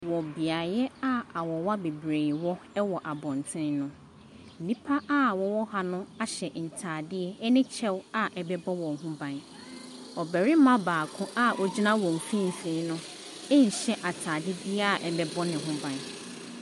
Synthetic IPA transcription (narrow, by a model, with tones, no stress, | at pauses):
wɔ˨bi˨a˨jɛ˦a˦a˨wɔ˨wa˦be˨bɾe˨wɔ˦ɛ˦wɔ˨ʔa˨bɔ̃˨ntʰɪ̃˦nnʊ̃˦˨ | nĩ˦pʰa˦a˦wɔ˨wɔ˦ha˨nʊ̃˦a˨ɕɛ˨n̩˨tʰaː˨dɪ˦ɛ˦ɛ˦nɪ̃˦t͡ɕʰɛ˦wa˨ʔɛ˨bɛ˦bɔ˦wɔ̃˨ɦʊ̃˦bã˨n | ɔ˨bɛ˨ɾɪ˦mã˦baː˨kʰʊ̃˦ʔa˦ʔɔ˦d͡ʑi˦nã˦wɔ̃˨m̩˨fĩ˦m̩˨fĩ˦nʊ̃˦ | ɛ˦ɲ̩˨ɕɛ˦ʔa˨tʰaː˨dɪ˦dɪ˦ɛ˦a˨ʔɛ˨bɛ˦bɔ˦nɪ̃˨ɦʊ̃˦bã˨n